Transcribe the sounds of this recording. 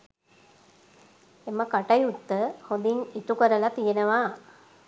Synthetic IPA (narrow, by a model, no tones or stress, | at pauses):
eməkaʈajut̪ːəhod̪iŋit̪ukəɾəlat̪ijenəʋaː